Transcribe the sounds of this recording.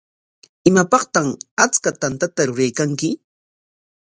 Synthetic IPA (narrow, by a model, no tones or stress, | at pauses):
ɪmapɑχt̪amat͡skat̪ant̪at̪aɾʊɾajkaŋkɪ